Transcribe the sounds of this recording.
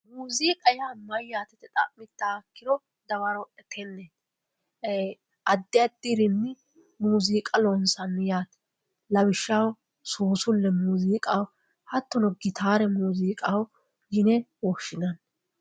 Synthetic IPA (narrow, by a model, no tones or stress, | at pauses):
muːziːkʼɐjaːmɐjːaːt̪ɛt̪ːɛt̪ʼɐ̰ʔmɪt̪ːaːkːɪd̪ɔ | d̪ɐwɐɾɔwʔɛt̪ʰɛnːɛ | ʔɐd̪ːɪjɐd̪ːiɾɪnːɪ | muːziːkʼɐlɔnsɐnːɪjaːt̪ɛ̥ | lɐbɪʃːaw | soːsʊlːɛmuːziːkʼɐw | hɐt̪ːɔnɔɡɪt̪ʰaːɾɛmuːziːkʼaw | ɡɪnɛwɔʃɪnɐn